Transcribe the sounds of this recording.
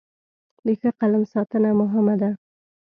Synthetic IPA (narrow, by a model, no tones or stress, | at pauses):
ləxəqalamsɑt̪ənamʊɦɪmad̪a